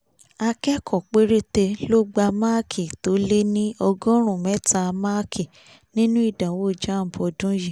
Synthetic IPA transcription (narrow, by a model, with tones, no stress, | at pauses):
a˧kɛ˦kʰɔ˨k͡pe˦ɾe˦te˧lo˦ɡ͡ba˧ma˦kʰi˨to˨˦le˦nĩ˦ɔ˧ɡɔ̃˦ɾ̃ũ˨mɛ˨˦ta˧ma˦kʰi˨ | nĩ˦nũ˦i˦˨dã˨wo˦˨d͡ʒã˦˨m̩˨bɔ˧˨dũ˦ji˦˨